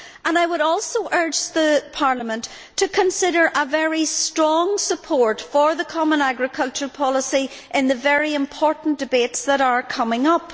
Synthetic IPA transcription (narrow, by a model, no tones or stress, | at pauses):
ə̃naɪwəɾɔlˠsoʔɜ˞d͡ʒðəpʰaɹlˠəmə̃ntʰ | ɨkʰə̃nsɪɾə˞ʔəvɛɹistɹ̥ɔ̃ŋsəpʰɔɹtfə˞ðəkʰɑmə̃naɡɹɨkʰʌlˠt͡ʃə˞pʰɑlˠəsiʔɪ̃nðɨvɛɹiɪ̃mpʰɔɹʔn̩d̥ɨbetsðəɾə˞kʰʌmɪ̃ŋʌp